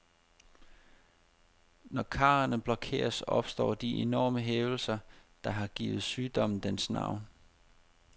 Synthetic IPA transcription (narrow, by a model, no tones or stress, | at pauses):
nɒkʰɑ̰̈ːɐnəb̥lɒ̽kʰe̝̰ːɐsɒ̽b̥sd̥ɒ̰ːd̥iʔenɒ̰ːməɦeːʊl̩sɐd̥ɑ̈ɦɑ̈ɡ̥ḭːʋð̩ˠsyːd̥ɒ̽mn̩d̥ensnɑ̰̈ʊ̰n